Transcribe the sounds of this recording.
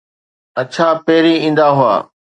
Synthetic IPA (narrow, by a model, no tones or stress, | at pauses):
ɐt͡ɕʰapeːɾiĩːn̆d̪aɦʊa̰ː